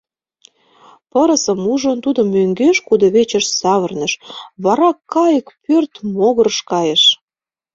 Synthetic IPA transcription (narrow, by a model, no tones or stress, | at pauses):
pəɾə̆sə̆muʒənt̪ud̪ə̆mːøŋɡeʃkud̪oβet͡ɕə̆ʃsɑβərnə̆ʃβɑɾɑkːɑjəkpørt̪moɣərʃkɑjəʃ